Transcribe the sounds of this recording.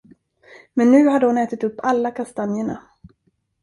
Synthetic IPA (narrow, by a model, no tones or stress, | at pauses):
mɛnːʉ̟ːɦaɖ̪əɔnɛːt̪ɪt̪ɵpːalːakʰast̪anjəɳa̰